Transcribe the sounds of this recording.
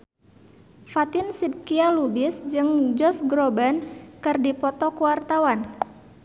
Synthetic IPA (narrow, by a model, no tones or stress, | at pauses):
fat̪ɪnsid̪̚kialubɪsd͡ʒɨŋd͡ʒɔsɡɾobankɨrdipɔt̪ɔkuwart̪awan